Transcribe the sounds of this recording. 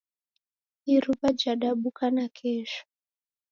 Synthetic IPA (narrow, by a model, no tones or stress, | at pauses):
iɾupad͡ʒaɗaɓukʰanakʰɛːʃɔ̥